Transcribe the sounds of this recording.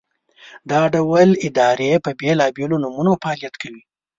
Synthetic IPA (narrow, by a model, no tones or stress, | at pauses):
d̪ɑɖawalɪd̪ɑɾepəbelɑbelonumunofaɑlijat̪kawi